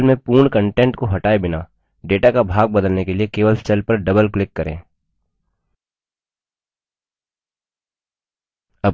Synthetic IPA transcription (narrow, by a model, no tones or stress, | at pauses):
lmẽpuːɾɳkə̃ɳʈẽːɳʈkoɦɐʈaːebɪna̰ː | ɖeːʈakabʱaːɡ̚bɐd̪əlnekeliekeːʋəlst͡ʃəlpɐɾɖɐbəlklɪkːɐɾʔḛ̃ː | ɐ